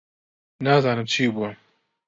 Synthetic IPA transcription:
naːzaːnɨmt͡ʃʰiːbuːɐ

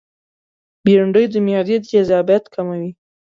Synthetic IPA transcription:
beɾaɳɖəjd̪əmjɑd̪ed̪ezɑbjat̪kʰamawi

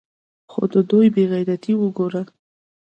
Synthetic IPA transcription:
xo̰d̪əd̪ojbeɣajɾat̪ʰiwəɡoɾa

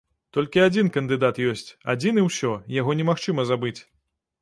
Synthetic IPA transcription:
t̪ɔlʲkʲiad͡zʲinkɐnd̪ɨd̪at̪jɔsʲt͡sʲa̰d͡zʲinɨwsʲɔjaɣɔnʲɛmaxt͡ʂɨmɐzabɨt͡sʲ

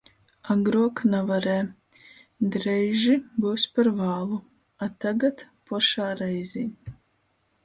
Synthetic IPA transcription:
aɡɾuɔknavaɾɛː | d̪ɾɛjʒibuwspaɾvaːlˠu | at̪aɡat̪ | pɔʃaːɾɛjzʲiː

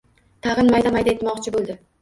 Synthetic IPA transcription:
t̪ʰɑʁɨnmajd̪amajd̪aet̪mɒqt͡ʃʰɪbolˠd̪ɪ

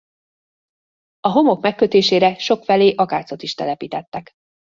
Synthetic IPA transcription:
ɒɦo̞mo̞kmɛkːø̞t̪eːʃeːɾɛʃo̞kfɛleːʔɒka̰ːt̪so̞t̪iʃt̪ɛlɛpiːt̪ɛt̪ːɛk

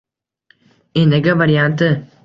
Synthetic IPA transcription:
eneɡɐʋɐɾijaːnt̪ɯ

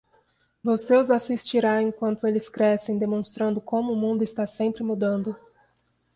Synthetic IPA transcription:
voseʊzasist͡ʃiɾaẽkwɐ̃nt̪ʊelɪskɾɛsẽj̃d̪emõst̪ɾɐ̃nd̪ʊkõmʊːmũnd̪ʊɪst̪asẽmpɾɪmud̪ɐ̃nd̪ʊ

